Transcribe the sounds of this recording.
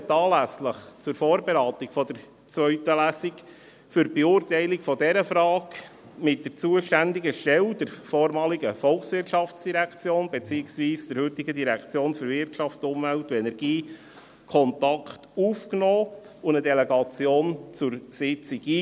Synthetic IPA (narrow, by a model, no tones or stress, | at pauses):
t̪ːɑːlæsləχt͡sʊɾfɔːɾbeɾɑːt̪ikfɔd̪əɾ | t͡sʋœɥtəlæsik | fʏɾbeuːrtɛɪlikfɔdɛɾəfɾɑːɡ | mɪt̚d̥əɾt͡suəʃtænd̪iɡəʃtɛld̥əɾfɔːɾmɑːliɡəfɔlksʋɪɾrtʃɑft͡sd̥iɾækt͡sjoːnbɛt͡siːɪksviːsd̥əɾhɵtiɡədiɾækʰt͡sjoːnføɾvɪrtʃɑftʊmvæltuɛnɛɾɡ̥iː | kʰɔnt̪ɑkχtuːfknɔː | ʊnədɛlɛɡɑt͡sjoːnt͡sʊɾsɪt͡siɡiː